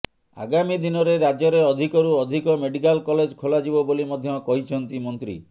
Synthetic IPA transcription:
a̰ɡamid̪inɔɾeɾad͡ʒɔɾeɔd̪ʱikɔɾuɔd̪ʱikɔmeɖikalkɔled͡ʒkʰolad͡ʒibɔbolimɔd̪ʱjɔkɔɦit͡ʃʰɔnt̪imɔnt̪ɾḭ

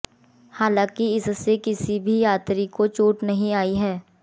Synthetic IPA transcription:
haːlãːkiɪssekɪsibʱijaːt̪ɾikot͡ʃuːʈnɐɦĩaːiɦɛː

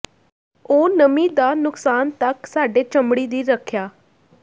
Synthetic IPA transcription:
oːnəmĩːd̪aːnʊksaːnt̪əksaːɖeːt͡ʃəmbɽiːd̪iːɾəkʰjaː

